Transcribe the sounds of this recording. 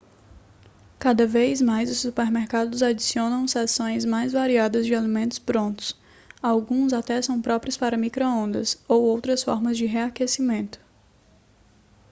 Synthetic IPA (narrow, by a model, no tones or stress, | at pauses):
kad̪ɐvezmajzʊsːupeɾmeɾkad̪ʊzad͡ʒisiõnɐ̃w̃sɛsõj̃zmajzvaɾiad̪ɐzd͡ʒɪalimẽnt̪ʊ̥spɾõnt̪ʊ̥s | awɡũzat̪ɛsɐ̃w̃pɾɔpɾiʊspaɾɐmikɾoõnd̪ɐ̰sowowt̪ɾɐsfɔ̰ɾmɐzd͡ʒɪɦeakesimẽnt̪ʊ̥